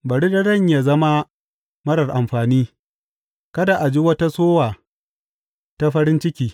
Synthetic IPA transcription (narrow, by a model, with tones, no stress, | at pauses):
bɐ˨ɽi˦dɐ˦dɐ˦˨ɲja˦zɐ˦ma˦ | mɐ˦ɽɐ˨rʔa˨mɸaː˨niː˦ | kɐ˦da˨ʔa˨d͡ʒi˦wɐ˦ta˦soː˦waː˨ | ta˦ɸɐ˦ɾɪ˦nt͡ʃɪ˦kʲiː˨